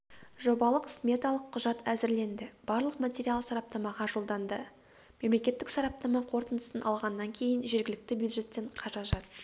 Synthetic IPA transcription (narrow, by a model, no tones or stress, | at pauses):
ʒo̞bɑlˠəqsmʲet̪ɑlˠəqʰːʊʒɑt̪æzɪɾle̞nd̪ɪb̥ɑɾlˠəqmat̪ʲeɾialˠsɑɾɑp̚t̪ɑmɑʁɑʒo̞lˠd̪ɑnd̪ə | me̞mle̞kʲe̞t̪ːɪksɑɾɑp̚t̪ɑmɑqʰo̞ɾt̪ənd̪əsənɑlˠʁɑnːɑŋkʲʰe̞jɪnʒe̞ɾɡʲɪlɪk̚t̪ɪbjud̪ʒe̞t̪ːe̞ɴqʰɑʒɑʒɑt̪